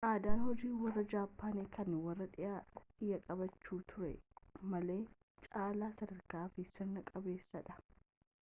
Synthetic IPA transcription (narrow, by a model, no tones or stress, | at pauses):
ʔaːd̪aːnhɔd͡ʒiːwɐrːɐd͡ʒaːpːaːneːkɐnːɪwɐrːɐᶑɪjʔaːɪjːɐkʼɐbɐt͡ʃːuːt̪ʰʊɾɛ̰mɐle̞ː | t͡ʃʼaːlaːsɐd̪ɐɾkaːfɪsɪɾnɐkʼɐbe̞ːsːɐᶑɐ